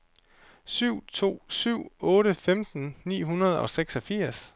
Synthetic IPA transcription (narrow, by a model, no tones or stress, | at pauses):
syʊ̰t͡sʰo̝̰ːsyʊ̰ɔ̽ːɾəfemd̥n̩nḭːɦunɐð̞ˠɒ̽seɡ̥sɒ̽fiɐ̰s